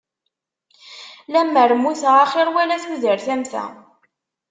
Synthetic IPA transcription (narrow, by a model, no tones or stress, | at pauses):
læmːəɾmːuθʁaχɪɾwælæθwiðəɾθæmθæ̰